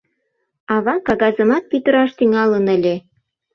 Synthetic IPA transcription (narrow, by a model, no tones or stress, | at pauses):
ɑβɑkɑɣɑzə̆mɑt̪̚pyt̪ə̆ɾɑʃt̪iŋɑlənə̆lʲe